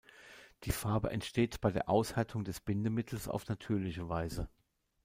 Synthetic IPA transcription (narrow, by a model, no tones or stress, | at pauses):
d̥iːfaɐbəʔɛ̰ntʃteːtb̥aɪdeːɐʔaʊshaɐtʰʊŋdɛsb̥ɪndəmɪtʰl̩sa̰ʊfnatʰyːɐlɪçəvaɪzə